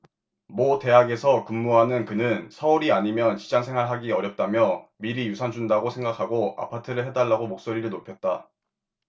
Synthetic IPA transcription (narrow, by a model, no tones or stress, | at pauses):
mʌte̞ɦaɡe̞sʰʌkumːuɦanɯnkɯnɯnsʰʌuɾiaɲimjʌnt͡ɕi̥d͡ʑaŋsʰe̞ŋɦaɭɦaɡiʌɾjʌp̚t͈amjʌmiɾijusʰand͡ʑundaɡosʰe̞ŋɡakʰaɡoa̰pʰatʰɯɾɯɭɦe̞daɭːaɡomok̚s͈oɾiɾɯɭnopʰjʌt̚t͈a